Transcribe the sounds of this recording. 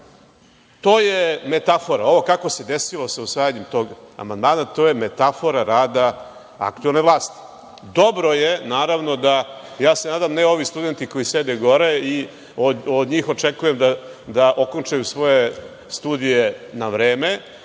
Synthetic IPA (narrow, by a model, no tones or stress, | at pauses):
t̪o̞ːjemet̪afo̞ɾa̰o̞ʋo̞kako̞sed̪esilo̞sausʋaːjaɲemt̪o̞ːɡa̰mand̪maːnat̪o̞jemet̪afo̞ɾaɾaːd̪a | a̰k̚t̪uelneʋlˠaːst̪i̥ | d̪o̞bɾo̞jenaːɾaʋno̞d̪ajaːsenaːd̪amneo̞ʋist̪ud̪e̞nt̪iko̞jised̪eɡo̞ɾei | ood̪ɲiːxo̞t͡ʂekujemd̪ad̪aʔo̞ko̞nt͡ʂajusʋo̞je | st̪uːd̪ijenaʋɾeːme